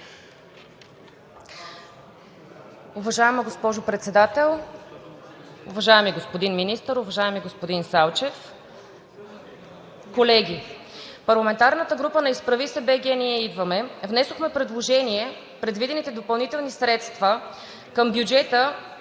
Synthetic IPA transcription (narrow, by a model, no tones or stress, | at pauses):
ʊvɐʒaɛməɡospɔʒʊpɾɛt̪sɛd̪at̪ɛlˠ | ʊvɐʒaɛmiɡospod̪inminist̪əɾʊvɐʒaɛmiɡospod̪insalˠt͡ʃɛf | kolɛɡʲi | pɐɾlˠɐmɛnt̪aɾnət̪əɡɾupənɐispɾɐvisɛbɛɡʲɛniɛid̪vəmɛvnɛsoxmɛpɾɛd̪lˠoʒɛniɛ | pɾɛd̪vid̪ɛnit̪ɛd̪opɐlˠnit̪ɛlˠnisɾɛt̪st̪və | kəmbjud͡ʒɛt̪ə